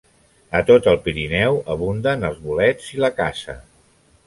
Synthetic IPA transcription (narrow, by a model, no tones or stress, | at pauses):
ət̪ot̪əlˠpiɾinɛwəβ̞und̪ənəlˠzβulɛd͡ziləkasə̰